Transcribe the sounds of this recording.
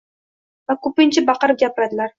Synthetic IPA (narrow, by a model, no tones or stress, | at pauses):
vakʰɵpɪnt͡ʃʰɪbɑqɨɾɪp̚ɡʲapʰɪɾad̪ɪlaɾ